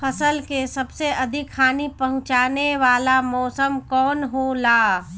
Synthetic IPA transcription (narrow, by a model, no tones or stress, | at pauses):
pʰɐsəlkesɐbseɐd̪ʱikkʰaːnipɐɦʊ̃t͡ʃaːneʋaːlamɔːsəmkɔːnɦolaː